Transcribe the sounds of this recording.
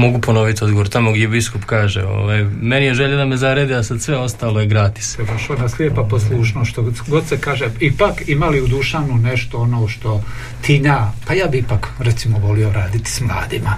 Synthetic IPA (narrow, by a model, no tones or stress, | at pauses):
mo̞ɡupo̞no̞ʋit̪iod̪ɡoʋoɾt̪amoɡd̪ʲjebiskupkaːʒḛo̞̰ːʋaːjmenijeʒeʎad̪ame̞zaɾed̪iasad̪sʋe̞o̞st̪aːlˠojeɡɾaːt̪i̥sed̪oʃlonasljepaposlˠuːʃnoʃt̪oɡod̪sekaːʒeipakimaliud̪uʃaʋnuneʃt̪oonoːʃt̪o̞ | t̪ʰiːɲaːpajaːbiipakɾɛt̪simoʋo̞lio̞ɾaːd̪it̪i̥smlˠa̰ːd̪ḭma